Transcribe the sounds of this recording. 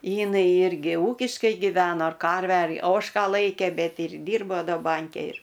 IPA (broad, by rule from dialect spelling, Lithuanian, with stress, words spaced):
ˈjɪnɐɪ ˈɪrʲɡʲɪ ˈuːkʲɪʃkɐɪ ɡʲɪˈʋʲæːnoː ɐr ˈkɐrʲʋʲæː ɐr ˈoːʃkɑː ˈlˠɐɪkʲeː ˈbʲɛt ɪr ˈdʲiːrboː ˈdɐ ˈbɐŋʲkʲɛ ɪr